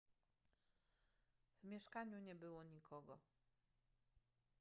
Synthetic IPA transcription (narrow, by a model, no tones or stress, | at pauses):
vmʲjɛʂkaɲuɲɛbɘwɔɲikʰɔɡɔ